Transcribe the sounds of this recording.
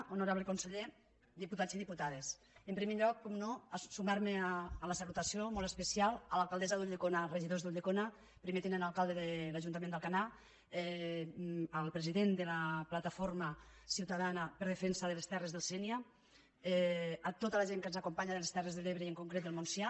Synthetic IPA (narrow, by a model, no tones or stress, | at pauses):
onuɾaβlekunseʎe | d̪iput̪ad͡ziðiput̪aðes | əmpɾimeʎɔkːɔmnɔasumaɾmeːlasalut̪asiomɔlˠt̪espesialˠalalˠkalˠd̪ɛzaðuʎekonareʒiðozðuʎekona | pɾimet̪enənalˠkalˠd̪eðelaʒunt̪̬amend̪əlˠkana | ɛ | əlˠpɾeziðend̪əlaplat̪afoɾmasiwt̪aðanapəɾð̞efensəðəlest̪ɛrezðəlˠsɛnia | ɛat̪ot̪alaʒeŋkənzakumpaɲaðelest̪ɛrezðeleβɾeiəŋkuŋkɾet̪̚d̪elˠmunsja